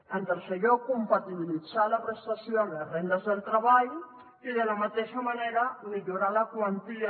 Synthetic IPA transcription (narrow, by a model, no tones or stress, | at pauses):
ent̪əɾseʎokumpat̪iβilid͡zalapɾest̪asjonerend̪əzðelˠt̪ɾaβaʎ | iðelamat̪eʃamaneɾamiʎuɾalakwant̪i